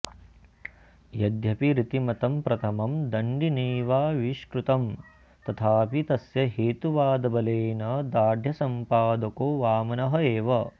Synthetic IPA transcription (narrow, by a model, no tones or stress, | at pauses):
jɐd̪jɐpiɾit̪imɐt̪ɐmpɾɐt̪ʰɐmɐmd̪ɐɳɖineːʋaːʋiʃkɾut̪ɐm | t̪ɐt̪ʰaːpit̪ɐsjɐɦeːt̪uʋaːd̪ɐbɐleːnɐd̪aːd̪ʱjɐsɐmpaːd̪ɐkoːʋaːmɐnɐɦɐeːʋɐ